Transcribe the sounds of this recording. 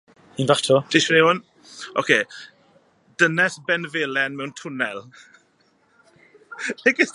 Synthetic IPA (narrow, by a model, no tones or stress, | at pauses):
iːnvatʰɔd̥ɪʃmneʊn | ʔokʰeː | d̥ənɛsbɛnvelɛnmɛwntʰʊnɛlˠ | lekɪs